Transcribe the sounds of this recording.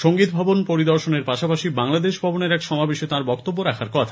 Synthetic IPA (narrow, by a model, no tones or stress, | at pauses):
ʃoŋɡit̪̚bʱɔbonpoɾid̪ɔɾʃoneɾpaʃapaʃibaŋlad̪eʃbʱɔboneɾɛkʃɔmabeʃet̪ãɾbɔkt̪obːoɾakʰaɾkɔt̪ʰḁ